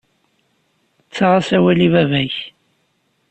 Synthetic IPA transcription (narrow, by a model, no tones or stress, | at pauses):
t͡sːaʁasæwælivævæç